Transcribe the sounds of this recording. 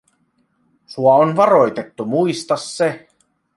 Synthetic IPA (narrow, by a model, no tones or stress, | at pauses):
suɑonʋɑɾo̞jt̪e̞t̪ːumuist̪ɑsːe